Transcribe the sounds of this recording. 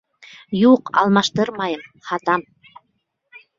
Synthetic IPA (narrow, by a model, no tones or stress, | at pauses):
juqɑ̰lˠmɑʃt̪ɤɾmɑjɤmχɑt̪ɑm